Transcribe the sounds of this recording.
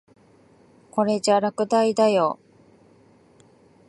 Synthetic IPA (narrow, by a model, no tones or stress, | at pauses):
ko̞ɾe̞d͡ʑaɾakɯ̟d̪aid̪ajo